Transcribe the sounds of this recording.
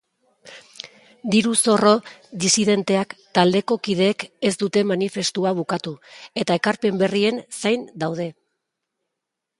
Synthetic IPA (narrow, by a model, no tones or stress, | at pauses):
d̪iɾuso̞ro̞ðisið̞e̞nt̪e̞akt̪ald̪e̞ko̞kið̞e̞ːkezd̪ut̪e̞manife̞st̪uaβ̞ukat̪ue̞t̪ae̞kaɾpe̞mbe̞rie̞nsajnd̪awð̞e̞